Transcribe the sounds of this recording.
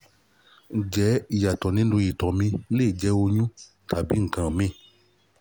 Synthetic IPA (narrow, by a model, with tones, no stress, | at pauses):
d͡ʒɛ˨˦i˨ja˨tɔ˨nĩ˧˦dũ˧ji˨tɔ̃˨mĩ˧˦le˦˨d͡ʒɛ˧˦o˧ɲũ˦ | tʰa˨bi˨˦ŋ̩˨kã˨mĩ˦˨